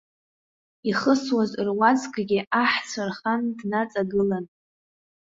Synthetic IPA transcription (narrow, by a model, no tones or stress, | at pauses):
iχəswazrwad͡zkʼɡʲɪʔaħt͡sʷʰarχandnat͡sʼaɡɨlan